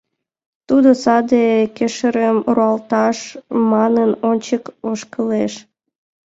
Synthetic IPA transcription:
t̪ud̪osɑd̪ekeʃəɾəmruɑlt̪ɑʃmɑnənonʲt͡ɕəkoʃkəleʃ

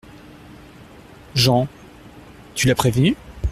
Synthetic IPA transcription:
ʒɑ̃ | t̪ylapχevny

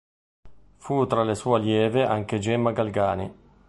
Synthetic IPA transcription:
fut̪ɾalesuːeljɛːveʔa̰ŋk̟ed͡ʒɛmaɡalɡaːnɪ

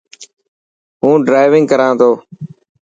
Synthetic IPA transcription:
ɦũːɖɾaːɪʋɪ̃ŋɡkəɾãːt̪ʰoː

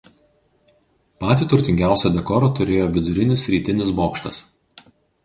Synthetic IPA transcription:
pɑːt̪ʲiːt̪ʊɾʲt̪ʲɪŋʲɡʲæˑʊsʲɛd̪ʲɛkɔːɾot̪ʊɾʲeːjoːʋʲɪd̪ʊɾʲɪnʲɪsʲɾʲiːt̪ʲɪnʲɪsboːkʃt̪ɐs

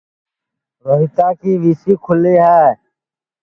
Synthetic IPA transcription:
ɾəɾɪt̪aːkiːʋiːsiːkʰʊleːɦaː

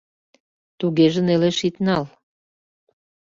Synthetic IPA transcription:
t̪uɣeʒə̆neleʃit̪nɑl

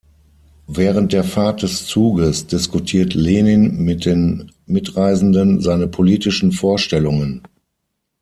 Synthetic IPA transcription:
vɛːʁənt̚d̥eːɐfaɐt̚d̥ɛst͡suːɡəsd̥ɪskutʰiːɐtleːnɪnmɪt̚d̥eːn | mɪtʁaɪzn̩dənzaɪnəpʰoliːtɪʃn̩foːɐʃtɛlʊŋən

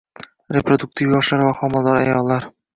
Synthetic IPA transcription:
ɾʲepɾod̪uk̚t̪ʰivjɒʃlaɾvaχɒmɒld̪ɒɾa̰jɒlˠːaɾ

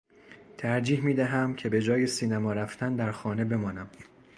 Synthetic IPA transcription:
t̪ʰæɾd͡ʒiːhmiːd̪æɦæmcʲʰe̞be̞d͡ʒɒːje̞siːnæmɒːɾæft̪ʰænd̪æɾxɒːne̞be̞mɒːnæm

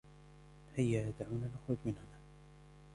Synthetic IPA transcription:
hajːajad̪ʕaːnalʔaxɾʊd͡ʒmɪnhʊnaː

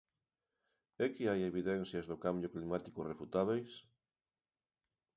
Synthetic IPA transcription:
ɛkɪajeβiðɛn̟θjazðokambjoklimat̪i̥korefut̪aβejs

